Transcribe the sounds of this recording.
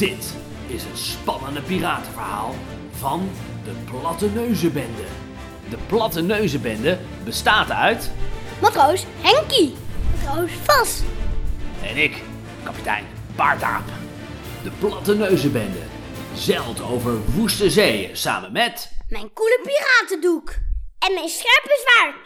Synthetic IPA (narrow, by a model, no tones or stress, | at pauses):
d̥ɪt | ɪsənspɑnəndəpiraːtəvəɹɦa̰ːlˠ | vɑn | dəplɑtənøɥzəbɛndə | dəplɑtənøɥzəbɛndə | bəstaːtœɥtmatrows | hɛŋkimatrowsfɑs | ɛ̰nɪk | kɑpi̥tɛ̰jn | pɑɹta̰ːp | d̥əplɑtənøɥzəbɛndə̰ | zɛlˠtowvəɹʋustəzejəsa̰ːmənmɛtmɛjnkuləpiraːtədukɛnmɛjnsχɛɹp̚bəzʋaːɹ